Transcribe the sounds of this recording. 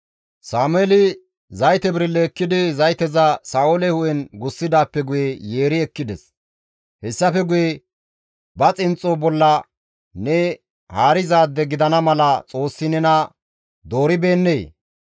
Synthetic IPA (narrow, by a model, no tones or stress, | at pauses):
saːmʊɛlɪ | zɐjt̪ɛbɪɾɪlːɛːkːɪd̪ɪzɐjt̪ɛzɐsaːʔɔlɛhʊʔɛnɡʊsːɪd̪aːpːɛɡʊjɛje̞ːɾɪɛkːɪd̪ɛs | hɛsːɐfɛɡʊjɛ | bɐt͡sʼɪnt͡sʼːobɔlːɐ | nɛ | haːɾɪzaːd̪ːɛɡɪd̪ɐnɐmɐlɐt͡sʼo̞ːsːɪnɛnɐ | d̪o̞ːɾɪbe̞ːnːeː